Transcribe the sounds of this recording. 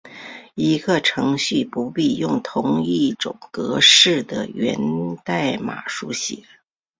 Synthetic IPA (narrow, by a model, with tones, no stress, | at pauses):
i˧˥ɡə˧ʈ͡ʂʰɤ˧˥ŋɕy˥˩pu˧˥pi˥˧jʊ˥˩ŋt̪ʰʊ˧˥ŋi˥˩ʈ͡ʂʊ̰˨˩ŋkɤ˧˥ʂɻ̩˥˩d̪ə̰˩ɥɛ̰˧˥nt̪a˥˩ɪma̰˨˩ʂu˧˥ɕjɛ˧˩˥